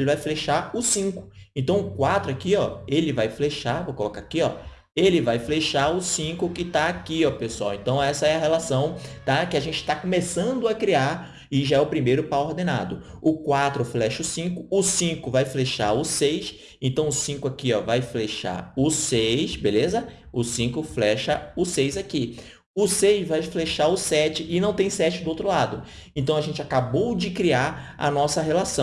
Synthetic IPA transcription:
lɪvajfleʃaʊsĩkʊ̥ẽnt̪ɐ̃w̃ʊkwat̪ɾʊakiɔelɪvajfleʃavokolokakiɔ̰ | elɪvajfleʃaɾʊsĩkʊkɪt̪aakiɔpesuawẽnt̪ɐ̃w̃ɛsɐɛɐɦelasɐ̃w̃t̪akɪaʒẽnt͡ʃɪ̥t̪akõmesɐ̃nd̪ʊakɾiaɾ | ɪʒaɛʊpɾimejɾʊpaoɾd̪ẽna̰d̪ʊ | ʊkwat̪ɾʊflɛʃʊsĩkʊʊsĩkʊvajfleʃa̰ɾʊsejs | ẽnt̪ɐ̃w̃ʊsĩkʊakiɔvajfleʃa̰ɾʊsejsbelezɐ | ʊsĩkʊflɛʃɐʊsejzaki | ʊsejzvajfleʃaɾʊsɛt͡ʃɪʔɪnɐ̃w̃t̪ẽj̃sɛt͡ʃɪd̪ʊowt̪ɾʊlad̪ʊẽnt̪ɐ̃w̃aʒẽnt͡ʃɪakabowd͡ʒɪkɾiaɾɐ̰nɔsɐɦelasɐ̃w̃

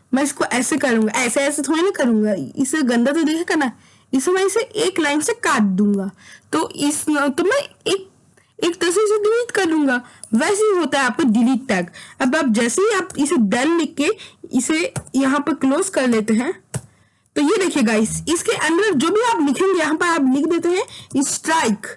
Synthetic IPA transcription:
mɛ̃ːɪskoʔɛːsekɐɾũːŋɡaʔɛːseɛːset̪ʰoːenɐkɐɾũːŋɡaɪseɡɐ̃nd̪at̪̬od̪eːkʰeːɡanɐ | ɪsemɛ̃ɪseʔeːklaːɪnsekaːʈ̚d̪ũːŋɡaːt̪oɪst̪omɛ̃eːk̚ | eːkt̪ɐs̬eseɖɪliːʈkɐɾlũːŋɡaːʋɛːseɦiɦoːt̪aɦɛaːp̚koɖɪliːʈ̚ʈɛːkɐbaːp̚d͡ʒɛːseɦiaːpɪsed̪ɐlːɪkːeɪsejɐɦãpɐɾkloːzkɐɾleːt̪eɦɛ̃ | t̪ojed̪eːkʰeːɡaɪsɪskeʔɐ̃nd̪əɾd͡ʒoːbʱiaːplɪkʰẽŋɡejɐɦãpɐɾaːplɪkʰd̪eːt̪eɦɛ̃ɪsʈɾaːɪk

